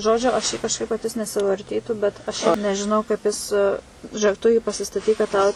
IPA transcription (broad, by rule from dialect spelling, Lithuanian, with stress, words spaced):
ˈʒoːd͡ʒʲʊ ɐʃ jiː kɐʃˈkɐɪp ʋɐ kɐt ˈjɪs nʲɛsʲɪʋɐrʲˈtʲiːtuː bʲɛt ɐʃ ˈʃʲɛɪp nʲɛʒʲɪˈnɐʊ kɐɪp ˈjɪs ʒʲʊˈeːk ˈtʊ jiː pɐsʲɪstɐˈtʲiːk kɐt ˈtɐʊ